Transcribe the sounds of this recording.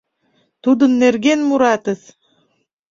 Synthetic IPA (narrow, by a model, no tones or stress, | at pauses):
t̪ud̪ɯnːeɾɡenmuɾɑt̪ɯs